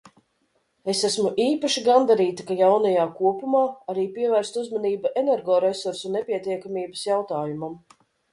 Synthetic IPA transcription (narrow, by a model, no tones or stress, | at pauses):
esæsmuʔiːpaʃiɡand̪aɾiːt̪ikajawnajaːkuɔpumaːaɾiːpiɛvæːɾst̪uzmaniːbaʔenɛɾɡɔːɾesuɾsunepʲiɛt̪iɛkamiːbɐsjawt̪aːjumam